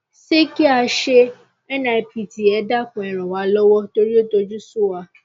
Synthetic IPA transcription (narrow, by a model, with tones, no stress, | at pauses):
se˦ki˦a˧ʃe˦ | ɛ˦nã˧ɛ˧˨pi˨ti˨ɛ˨˦da˦kũ˨ɛ˨ɾ̃ɔ̃˨wa˨˦lɔ˦wɔ˦to˧ɾi˦o˦to˧d͡ʒu˦su˦˨wa˧